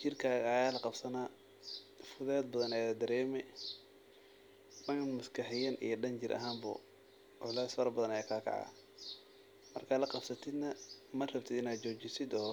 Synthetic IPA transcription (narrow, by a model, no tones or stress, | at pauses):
t͡ʃɪrkʰaːɣɐːjaːlɐqɑbsɐnaː | fʊðɛːd̪̚bɐðɐnɛjɐd̪ɐɾɛːmɛ | mɐnmɐskʰɐħɪjɐnḭjɞɖɐnt͡ʃɪɾʔɐ̰ɦaːmbʊ̰ | ʕʊlaːsfɐɾɐbɐðɐnɐjaːkʰaːkʰɑ̰ʕɑ̰ː | mɐ̰rkʰaːlɐqɑbsɐt̪ʰɪd̪nɐmɐrɐbt̪ʰɪd̪ɪnaːd̪t͡ʃɔːt͡ʃɪsɪd̪ɔː